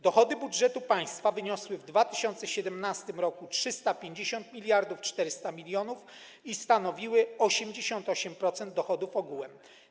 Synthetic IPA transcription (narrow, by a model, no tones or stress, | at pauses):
d̪ɔxɔd̪ɘbudʐɛt̪upaj̃st̪favɘɲɔswɘvd̪vat̪ɘ̥ɕɔnt̪sɛɕɛd̪ɛmnast̪ɘmɾɔkutʂɘst̪apʲjeɲd͡ʑeɕɔnt̪mʲilʲjaɾd̪uft͡ʂt̪ɛɾɘst̪amʲilʲjɔnuf | ist̪anɔvʲiwɘɔɕɛmd͡ʑeɕɔnt̪ɔɕɛmpɾɔt̪sɛnd̪̚d̪ːɔxɔd̪ufɔɡuwɛm